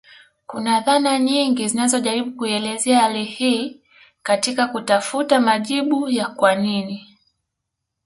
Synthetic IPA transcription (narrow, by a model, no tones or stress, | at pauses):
kunaðanaɲiŋɡizinazɔʄaɾiɓukuiɛlɛzɛaalihiː | katikakutafutamaʄiɓujakwanini